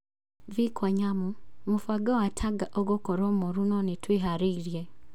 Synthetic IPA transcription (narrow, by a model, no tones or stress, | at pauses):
vikʰaɲamumufaɡaatʰaɡaʔɔɡɔkɔɾɔmɔɾunɔnetʰweɦaɾeiɾjɛ